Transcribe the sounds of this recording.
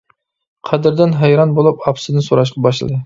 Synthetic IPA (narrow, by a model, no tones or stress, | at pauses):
qʰæd̪ɪɾd̪ɪnɦɛjɾɑnbolˠupɑpsɨd̪ɨnsoɾɑʃ̬qɑbɑʃ̬lˠɨ̰d̪ɨ